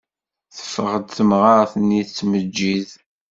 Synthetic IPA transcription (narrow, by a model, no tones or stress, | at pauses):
θə̥fəʁəd̪θəmʁaɾθənːiθət͡sːməd͡ʒːið